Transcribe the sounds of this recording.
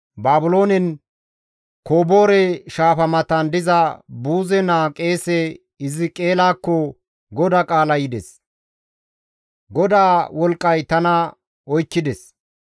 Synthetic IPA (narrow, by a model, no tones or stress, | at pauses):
baːbʊlo̞ːnɛn | ko̞ːbo̞ːɾɛʃaːfɐmɐt̪ɐnd̪ɪzɐbuːzɛnaːkʼe̞ːsɛ | ɪzɪkʼe̞ːlaːkːɔ | ɡɔd̪ɐkʼaːlɐjɪd̪ɛs | ɡɔd̪aːwɔlkʼːɐjt̪ɐnɐ | ɔjkːɪd̪ɛs